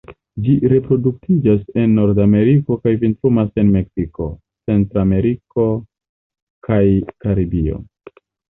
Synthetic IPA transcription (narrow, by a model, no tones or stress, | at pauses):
d͡ʒiɾe̞pɾo̞duk̚tʰid͡ʒase̞nːo̞ɾdame̞ɾiko̞kajvintɾumase̞nme̞ksiko̞ | t͡se̞ntɾame̞ɾiko̞ | kʰajkaɾibio̞̰